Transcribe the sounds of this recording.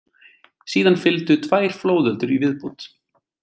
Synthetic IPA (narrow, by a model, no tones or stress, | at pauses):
siːðanfɪlt̪ʏt̪ʰvaːjɾ̥floːwðœlt̪ʏɾivɪðpuːt̪